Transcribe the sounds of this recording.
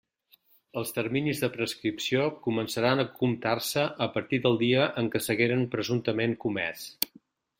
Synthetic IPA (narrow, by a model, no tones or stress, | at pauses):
əlˠst̪ərminizðəpɾəskɾipsiokumənsəɾanəkumt̪arsəʔəpəɾt̪iðəlˠd̪iəʔəŋkəsəɣeɾənpɾəzunt̪əmeŋkumɛ̰s